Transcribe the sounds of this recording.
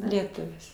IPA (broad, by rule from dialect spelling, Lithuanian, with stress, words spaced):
lʲiɛˈtʊʋʲɪs